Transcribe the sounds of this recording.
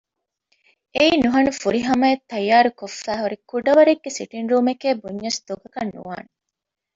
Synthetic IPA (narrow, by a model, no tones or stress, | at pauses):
eiːnuɦɐnufuɾiɦɐmɐet̪ːɐjːaːɾukofːæːɦuɾikuɖɐʋɐɾeɡːesiʈinɾuːmekeːbuɲːɐsd̪̥oɡɐkɐnːṵʋa̰ːne